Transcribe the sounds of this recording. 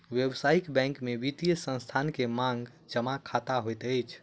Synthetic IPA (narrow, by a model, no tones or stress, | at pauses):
wjebsaikbɛ̃ŋkmeʋit̪ijəsə̃nst̪ʰankemãŋɡ | d͡ʒəmakʰat̪aɦojt̪əjt͡ʃʰ